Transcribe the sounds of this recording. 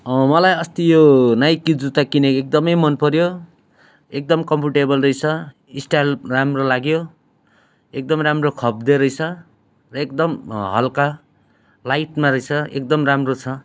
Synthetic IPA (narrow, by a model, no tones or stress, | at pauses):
mʌlajʌst̪ijonajkid͡zut̪akineek̚d̪ʌmʌjmʌnpʌɾjo | ek̚d̪ʌmkʌmpuʈebʌlrʌjt͡sʰʌ | isʈajlramrolaɡjo | ek̚d̪ʌmɾamrokʰʌb̚d̪eɾʌjt͡sʰʌ | rʌekd̪ʌmɦʌ̰lka | lajʈmaɾʌjt͡sʰʌek̚d̪ʌmramrot͡sʰʌ